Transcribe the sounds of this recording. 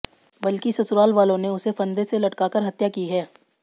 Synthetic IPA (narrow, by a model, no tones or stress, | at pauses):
bɐlkisɐsʊɾaːlʋaːlõneʊsefɐ̃nd̪eselɐʈkaːkɐɾɦɐt̪jakiɦɛː